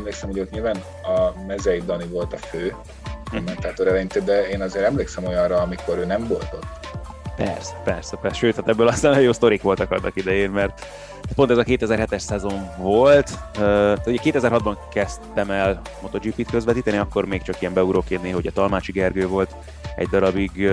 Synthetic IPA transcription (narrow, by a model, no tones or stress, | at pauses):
ɛmleːksɛmhojot̪ɲilvaːn | ɒmɛzɛjid̪ɒnivo̞lt̪ɒføː | komːɛnt̪aːt̪oɾɛlɛɲit̪ed̪ɛeːnɒzeːɾɛmleːksɛmo̞jɒ̃nrɒːmiko̞ɾøːnɛɱvo̞lt̪o̞t̪ː | pɛ̰rsɛ̥pɛrsɛpɛʃøːt̪hat̪ɛbːøːlɒst̪anjoːst̪o̞ɾikʋo̞lt̪ɒkɒd̪nɒ̰kid̪ɛjeːnmɛrt̪ | t̪̚pont̪ɛzɒkeːt̪ɛzɛrɦɛt̪ɛʃsɛzo̞ɱvo̞lt̪øt̪uɟɛkeːt̪ɛzɛrɦɒd̪bɒŋkɛstt̪ɛmɛlmo̞t̪ord͡ʒipiːt̪køzʋɛt̪iːt̪ɛniɒkːo̞rmeːkt͡ʃɒkijɛmbɛuɾoːkeːd̪niɦo̞ɟɒt̪ɒlmaːt͡ʃiɡɛrɡøːvo̞lt̪ | ɛ̰ɟd̪ɒɾɒbiɡ